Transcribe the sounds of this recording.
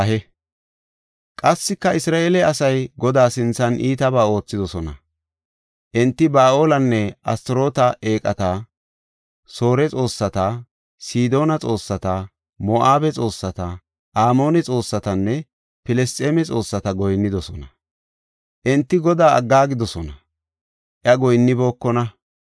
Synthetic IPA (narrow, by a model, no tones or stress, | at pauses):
ɐɦɛ | kʼɐsːɪkːɐɪsɾaːʔeːlɛɐsɐjɡɔd̪aːsɪnt͡sːɐnʔiːt̪ɐbaːo̞ːt͡sːɪd̪ɔsɔnɐ̰ | ʔɪnt̪ːɪbaːʔo̞ːlɐnːɛʔɐ̰st̪ɪɾo̞ːt̪ɐʔe̞ːkʼɐt̪ɐ | so̞ːɾɛt͡sʼo̞ːsːɐt̪ɐ | siːd̪o̞ːnɐt͡sʼo̞ːsːɐt̪ɐ | mɔʔaːbɛt͡sʼo̞ːsːɐt̪ɐ | ʔaːmo̞ːnɛt͡sʼo̞ːsːɐt̪ɐnːɛ | pɪlɛst̪ʼeːmɛt͡sʼo̞ːsːɐt̪ɐɡɔjnːɪd̪ɔsɔnɐ | ʔɪnt̪ːɪɡɔd̪aːɐ̰ɡːaːɡɪd̪ɔsɔnɐ | ʔjɐɡɔjnːɪbo̞ːkːɔnɐ